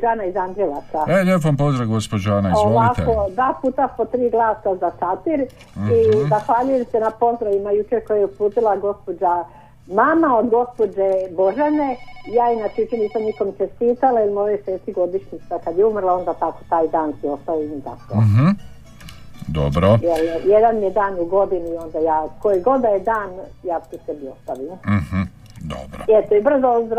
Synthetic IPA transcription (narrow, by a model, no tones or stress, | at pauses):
d͡ʒaːnaizamd͡ʒɾeʋasaelep̬mpozd̪ɾaɡospod͡ʒanaiozoʋakt̪eod̪ʋaːpuːt̪apot̪ɾiːɡlaːsazat̪at̪iɾ | izaxʋaːʎujemsenapo̞zd̪ɾaʋimajut͡ʃeɾkojajeupuːt̪ilˠaɡo̞spo̞d͡ʒa | mamaod̪ɡo̞spo̞d͡ʒebo̞ʒane̞ijaːinat͡ʃet͡ʃeniːsamnikomt͡ʃest̪iːt̪alailimojoseːt̪iɡo̞d̪iʃɲit̪sakad̪jeumrlao̞nd̪aːt̪akot̪aːjd̪aːnsio̞st̪aoinit̪a̰ko̰ɦ̩ | d̪o̰bɾojeljed̪anmijed̪aːnuɡo̞d̪iniio̞nd̪ajaːko̞jiɡo̞d̪d̪ajed̪aːnjaːt̪it̪ebio̞st̪aʋiːm̩h̩ | d̪o̰bɾo̰et̪oebr̩zoɾ